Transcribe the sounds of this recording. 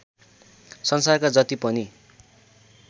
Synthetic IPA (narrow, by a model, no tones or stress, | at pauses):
sʌnsarkad͡zʌt̪ipʌni